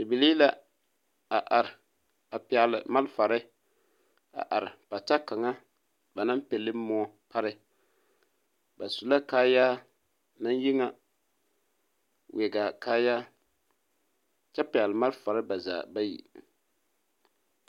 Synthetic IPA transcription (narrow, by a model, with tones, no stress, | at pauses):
dɪ˨bi˨li˦la˦ | a˨ʔa˨ɾɪ˨ | a˨pɪ˨a˨lɪ˨ma˦lfa˨ɾɪ˦ | a̰˨ʔa˨ɾɪ˨pa˨ta˦ka˨ŋa˦ | ba˨na˦mpɛ˨lɪ˦mʊ˦ɔ˦ | pa˦ɾɪ˦ | ba˨su˨la˦kaː˦ja˦ | na˦nji˦ŋa˨ | wʔɛ˨ɡa˨kaː˦ja˦ | t͡ʃɛ˦pɪ˨a˨lɨ˨ma˦lfa˨ɾɪ˦ba˨za̰ː˨ba˦jḭ˨